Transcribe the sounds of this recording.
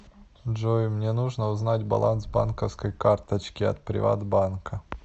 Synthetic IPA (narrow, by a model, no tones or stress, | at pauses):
ʐojmnʲenuʐnəʊznatʲbɐ̰lˠʔansba̰nkəfskəjkart̪ət͡ɕkʲɪɐ̰t̪pɾʲɪ̰va̰d̪bankə